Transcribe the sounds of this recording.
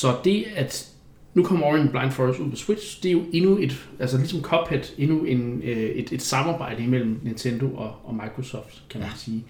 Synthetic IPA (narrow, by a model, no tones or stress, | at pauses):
sɒ̽d̥e̝æd̥ | nukʰɒm̰ɐɒʁinb̥lɑ̈ɪnd̥fɒusuð̰ˠpʰɒ̽swed̥ɕd̥e̝ɐjo̝ʔe̝nue̝d̥ʔælsəlisɒ̽mkʰɒ̽b̥ʰhed̥e̝nue̝ned̥e̝d̥sɑ̈mɑ̈ːb̥ɑ̈ɪ̰d̥əimel̰m̩nint͡sʰend̥o̝ʔɒ̽ʔɒ̽mɑ̈ɪkʰʁo̝sɒ̰ːfd̥kʰæmænsiː